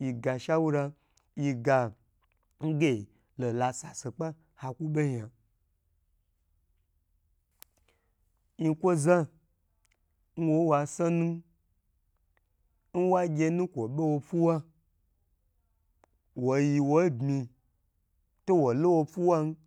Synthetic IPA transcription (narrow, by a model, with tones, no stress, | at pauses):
ji˧ɡa˧ʃa˦wu˦ɾa˧ | ji˧ɡa˧ | ŋ̩˦ɡe˦˨ | lo˨la˧sa˨se˨k͡pa˦ | ha˧ku˦ɓe˦ɲã˨ | i˧kʷo˦zã˦ | n̩˦wo˦wa˧sa˦nũ˦ | n̩˦wa˦ɡʲe˧˦nũ˦kʷo˨ɓe˦wo˧fu˦wa˦ | wo˨ji˧wo˦bmĩ˧ | to˦wo˨lo˦wo˧fu˦wa˦n˦